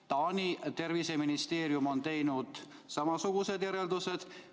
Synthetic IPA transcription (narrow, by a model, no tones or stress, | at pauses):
t̪ɑːnʲit̪e̞rvise̞minist̪e̞ːɾjumo̞nt̪e̞jnud̪̥ | sɑmɑsuɡ̥use̞d̪jæɾeld̪use̞d̪̥